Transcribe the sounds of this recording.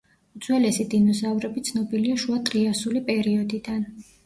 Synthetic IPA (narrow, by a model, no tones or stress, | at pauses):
ud̪z̥wɛlɛsid̪inɔzavɾɛbit̪sʰnɔbiliaʃuat̪ʼɾiasulipʼɛɾiɔd̪id̪an